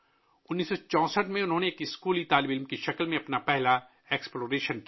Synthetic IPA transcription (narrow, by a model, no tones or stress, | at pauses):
ʊnːiːsot͡ʃɔ̃ːsəʈmẽʊnɦõːneeːkɪskuːlit̪aːlɪbɪlmkeʃɐkəlmẽɐpnapɛɦla | eːksploːɾeːʃənk